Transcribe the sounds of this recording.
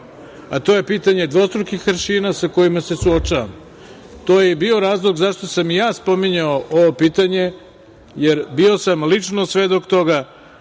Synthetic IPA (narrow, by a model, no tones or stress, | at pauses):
at̪o̞je̞piːt̪aɲe̞d̪ʋo̞st̪ɾokixʋɾʃiːnasako̞jimase̞suot͡ʃaʋam | t̪o̞ːjebio̞ɾaːzlˠo̞ɡzaʃt̪o̞samijaːspomiɲaoʔo̞ʋopiːt̪aɲe̞ | jeɾbio̞samlit͡ʂnosʋe̞d̪o̞kt̪o̞ɡa